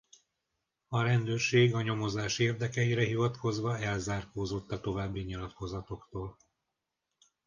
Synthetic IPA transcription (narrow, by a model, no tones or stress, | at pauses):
ɒɾɛnd̪øːrʃeːɡɒɲo̞mo̞zaːʃeːrd̪ɛkɛiɾɛɦivɒt̪ko̞zʋɒɛlzaːrkoːzo̞t̪ːɒt̪o̞vaːbːiɲilɒt̪ko̞zɒt̪o̞kt̪oːl